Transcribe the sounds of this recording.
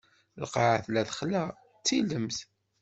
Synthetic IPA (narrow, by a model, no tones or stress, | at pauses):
lqɑʕaθlæθχlæ | t͡sːiləmθ